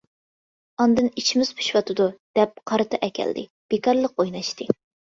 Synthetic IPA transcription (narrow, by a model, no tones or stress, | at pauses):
ɑnd̪ɨnit͡ʃʰimɪz̥pʰu̥ʃwɑt̪ɨd̪ud̪̥ɛp̚qʰɑɾɨt̪ʰɑʔɛkʲʰɛ̰ld̪ɪ̰ | b̥ekɑɾlˠəq̚ojnɑʃt̪ɨ